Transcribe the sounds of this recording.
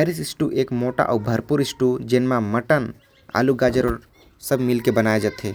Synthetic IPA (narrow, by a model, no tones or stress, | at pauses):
aɾisɪsʈuʔeːkmoːʈa̰ʔɔubʱəɾpuɾɪsʈud͡ʒenmaməʈən | a̰luɡad͡ʒəɾoɾ | səbʱmilkebənajed͡ʒat̪ɦe